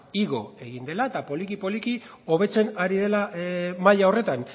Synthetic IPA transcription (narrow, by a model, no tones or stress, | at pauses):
iɣo̞e̞ɣind̪e̞laet̪apo̞likipo̞likio̞β̞e̞t͡se̞naɾið̞e̞lamaʎaore̞t̪an